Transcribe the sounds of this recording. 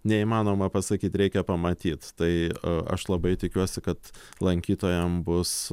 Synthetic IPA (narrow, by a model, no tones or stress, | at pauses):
nʲɛimɑːnoːmɐpɐsɐkʲiːt̪ɾʲɛɪkʲɛpɐmɐt̪ʲiːt̪t̪ɐɪɐ̰ʃlˠɐbɐɪt̪ʲɪkʲuɔsʲɪkɐt̪ | lˠɐŋʲkʲiːt̪oːjɛmbʊs